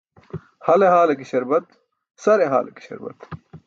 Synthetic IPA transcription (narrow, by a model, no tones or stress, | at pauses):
hɐleɦaːlɐkiɕɐɾbɐt̪ | sɐɾeɦa̰ːlɐ̰ki̥ɕɐ̰ɾbɐ̰t̪